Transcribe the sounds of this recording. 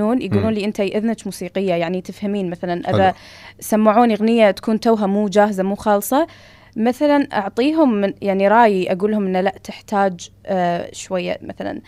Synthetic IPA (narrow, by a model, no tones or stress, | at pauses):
uːnjɡuːluːnliːʔɪnt̪ajʔɪðnat͡ʃ̪muːsiːqɪjːajaʕnit̪ɪfhamiːnmaθalanʔɪða | samːaʕuːniɣnɪjːat̪ḁkuːnt̪awɦamuːd͡ʒaːɦzamuːxɑːlsˤɑ | maθalanʔɑ̰ʕt̪ˤiːɦʊmːɪnjaʕniɾˤɑːjiʔaɡuːlhʊmʔɪnːalaʔt̪ɪħt̪aːd͡ʒ | ʃwajːa̰maθala̰n